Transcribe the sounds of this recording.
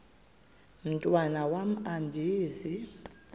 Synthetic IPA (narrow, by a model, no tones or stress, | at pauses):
m̩tʼwanawam̩andʱiːzi